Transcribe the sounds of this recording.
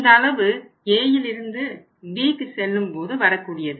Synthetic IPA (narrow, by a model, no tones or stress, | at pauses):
nd̪ɐːlɐʋɯ | eːjɪlɪɾɯnd̪ɯ | biːkːɯsɛlːɯmpoːðɯʋɐɾɐkːuːɽɪjɐðɯ